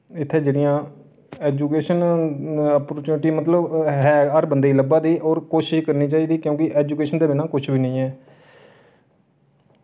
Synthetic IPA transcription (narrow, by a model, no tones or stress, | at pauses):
ɪt̪ʰːeːd͡ʒeːɽɪjãː | ɛːd͡ʒuːkeːʃən | əpoɾt͡ʃuːnʈiːmət̪ləbɦɛːɦəɾbənd̪eiːləbãːd̪iːʔɔːɾkoːʃɪʃkəɾniːt͡ʃaːiːd̪iːkjõːkɪʔɛːd͡ʒuːkeːʃənd̪eːbɪnãːkʊt͡ʃʰbʱiːnə̃ĩːɛː